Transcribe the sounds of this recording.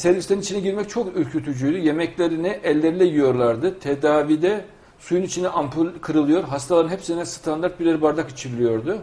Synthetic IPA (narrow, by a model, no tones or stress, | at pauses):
sɛɾvʲisleɾinit͡ʃʰinɛɟiɾmɛc̚t͡ʃʰo̞kyɾʲcʰyt̪ʰyd͡ʒyjd̪yje̞mɛclʲeɾinɛʔɛlʲːeɾilʲɛjijo̞ɾlˠaɾd̪ɯt̪ʰed̪aːvid̪ɛ | sujunit͡ʃʰinɛʔampʰkʰɯɾɯlˠɯjo̞ɾɦast̪ʰalˠaɾɯnhɛpsinɛst̪ʰand̪aɾt̪biɾlʲeɾibaɾd̪aki̥t͡ʃʰiɾlʲijo̞ɾd̪ʊ